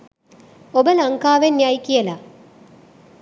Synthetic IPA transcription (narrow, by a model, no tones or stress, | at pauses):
obəlɐŋkaːʋenjajkijəla